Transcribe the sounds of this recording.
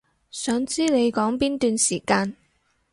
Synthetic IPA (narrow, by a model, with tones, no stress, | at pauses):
sœː˨˥ŋt͡siː˥ne˨˧jkɔː˨˥ŋpiː˥nt̪yː˧nsiː˨˩kaː˧n